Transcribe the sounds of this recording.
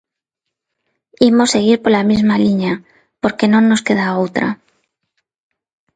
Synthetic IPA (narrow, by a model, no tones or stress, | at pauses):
imo̞se̞ɣ̞iɾpo̞ɾlamizmaliɲa | po̞ɾke̞nõ̞nːo̞ske̞ðaowt̪ɾa̰